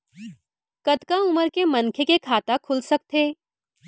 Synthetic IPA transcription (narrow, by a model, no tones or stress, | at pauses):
kɐt̪kaʊməɾkemɐnkʰekekʰaːt̪akʰʊlsɐk̚t̪eː